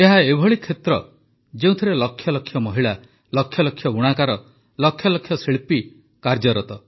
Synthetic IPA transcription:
eɦaebʱɔɭikʰet̪ɾɔ | d͡ʒeũt̪ʰiɾelɔkʰːjɔlɔkʰjɔmɔɦiɭa | lɔkʰːjɔlɔkʰjɔɡuɽ̃akaɾɔ | lɔkʰjɔlɔkʰːjɔseɭpi | kaɾd͡ʒɔɾɔt̪ɔ

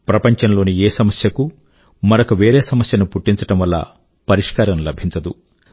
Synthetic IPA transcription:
pɾɐpɐɲt͡ʃɐnlo̞ːnieːsɐmɐsjɐku | mɐɾɐkuʋe̞ːɾeːsɐmɐsjɐnupuʈːiɲt͡ʃɐʈɐmʋɐlːɐ̰ | pɐɾiʂkaːɾɐmlɐbʱiɲt͡ʃɐd̪u

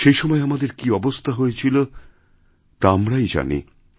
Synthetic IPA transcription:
ʃejʃɔmɔeamad̪eɾkiɔbost̪ʰaɦoet͡ɕʰilo | t̪aamɾajd͡ʑa̰nḭ

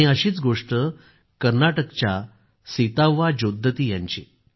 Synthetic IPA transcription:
iəɕiːt͡sɡoʂʈə | kəɾnaʈəkt͡ɕja | sit̪aʋːad͡ʑod̪ʱːət̪iːja̰ɲt͡ɕḭ

